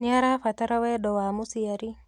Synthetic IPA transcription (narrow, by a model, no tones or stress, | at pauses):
niaɾafataɾawɛɗɔwamusiaɾi